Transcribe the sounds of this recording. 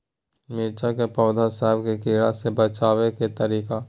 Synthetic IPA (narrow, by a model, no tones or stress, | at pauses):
mɪːt͡ʃakepɔːd̪ʱasɛɦɪbkekeːɽasebət͡ʃaːweket̪əɾiːka